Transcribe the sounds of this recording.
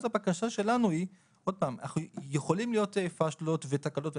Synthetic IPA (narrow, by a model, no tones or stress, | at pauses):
tabakaʃaʃe̞lanui | ʔo̞d̚paːmna̰χnujeχo̞limlijo̞tefaʃlo̞tvetakalo̞tv